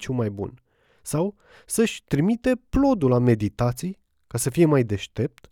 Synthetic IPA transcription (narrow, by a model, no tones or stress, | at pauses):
t͡ʃumajbṵn | saw | səʃʲt̪ɾimit̪e̞plo̞d̪ulame̞d̪it̪at̪sij | kasəfije̞majd̪e̞ʃt̪e̞p̚t̪